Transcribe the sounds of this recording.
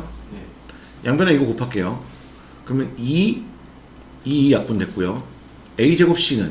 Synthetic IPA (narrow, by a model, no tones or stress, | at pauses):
jaŋbʌneiɡokopʰak͈e̞jo | kɯɾʌmjʌni | iːjak̚p͈undwe̞k͈ujo | e̞id͡ʑeɡop̚ɕ͈inɯn